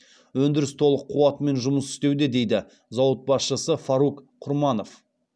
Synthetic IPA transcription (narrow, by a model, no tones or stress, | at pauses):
wɵnd̪ɪɾɪst̪ʰo̞lˠəqʰːuwɑt̪əme̞nʒʊməsʏ̥st̪e̞wd̪e̞d̪e̞jd̪ɪ | zɑwət̪̚bɑsʃəsəfɑɾuk | qʰʊɾmɑno̞f